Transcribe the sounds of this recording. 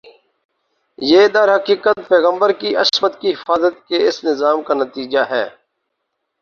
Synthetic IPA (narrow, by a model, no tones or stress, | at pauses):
jeːd̪əɾɦɐkiːkət̪̚pɛːɣə̃mbəɾkiʔɐsmət̪kiɦɪfaːzət̪̚keɪsnɪzaːmkanət̪iːd͡ʒaɦɛː